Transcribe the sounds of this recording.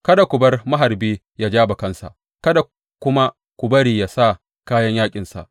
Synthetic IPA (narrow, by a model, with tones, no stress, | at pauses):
kɐ˦da˨kʷʊ˨bɐ˦rmɐ˦ɦa˨rbiː˦ | jaː˦d͡ʒaː˦ba˨kɐ˦nsa̰˨ʔ | kɐ˦da˨ | kʷʊ˦ma˦ | kʷʊ˨bɐ˦ɾiː˨jaː˦sa˦˨ | kaː˦jɐ˦ɲjaː˦kʲʼɪ˨nsa̰˨ʔ